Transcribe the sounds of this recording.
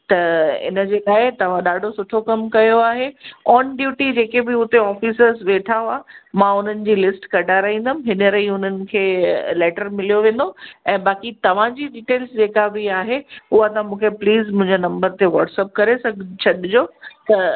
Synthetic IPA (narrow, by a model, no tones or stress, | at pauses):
t̪ɐɪ̰nəd͡ʑeːlaːɪt̪ɐʋ̤ãɗaːɖʱosʊʈʰokɐmkɐjoaːɦeɔːnɖjuːʈid͡ʑeːkebɪʊt̪eɔːfisəɾzʋeːʈʰaaːmãʊn̤ənɪ̆d͡ʑiːlɪsʈkɐɖaːɾaɦĩnd̪əmɪɦɪnəɾɐiʊn̤ənɪ̆kʰeːlɛːʈəɾmɪlijoʋẽːn̆d̪oɛ̃ːbaːkit̪ɐʋ̤ãd͡ʑiːɖiːʈeːlsd͡ʑeːkabɪaːɦeʊɦat̪ãmũːkʰepliːzmʊ̃ɦɪ̃ɲd͡ʑenɐ̃mbəɾt̪eʋɔːʈsɛːp̚kɐɾesɐɡt͡ɕʰɐɗɪd͡ʑoːt̪ɐ